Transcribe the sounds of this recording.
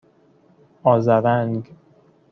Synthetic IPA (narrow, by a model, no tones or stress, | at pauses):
ɒːzæɾæŋɡ